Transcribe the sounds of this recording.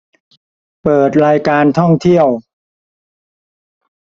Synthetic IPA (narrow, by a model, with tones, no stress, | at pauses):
pɤː˨˩t̪̚ɾaː˧jkaː˧nt̪ʰɔ˥˩ŋt̪ʰi˥˩əw